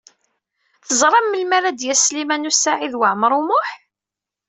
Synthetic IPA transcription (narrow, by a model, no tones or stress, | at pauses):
θəzˤɾˤɑmːəlmæɾæd̪jæslimænusaʕiðwəʕməɾˤʊmʊħ